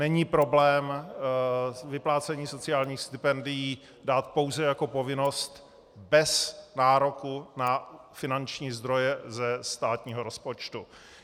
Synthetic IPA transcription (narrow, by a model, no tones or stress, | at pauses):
nɛɲiːpɾo̞blɛːm | vɪplaːt͡sɛɲiːso̞t͡sɪaːlɲiːxst̪ɪpɛndɪjiː | daːt̪̚po̞wzɛjako̞po̞vɪno̞st̪ | bɛsnaːɾo̞kuna | fɪnant͡ʃɲiːzd̪ɾo̞jɛzɛst̪aːt̪ɲiːɦo̞ɾo̞spo̞t͡ʃt̪u